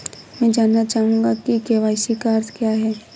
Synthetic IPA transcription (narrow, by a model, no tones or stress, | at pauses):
mɛ̃ːd͡ʒaːnːat͡ʃaːɦũŋːɡakikeʋaːsikaɐɾt̪kjaːɦɛː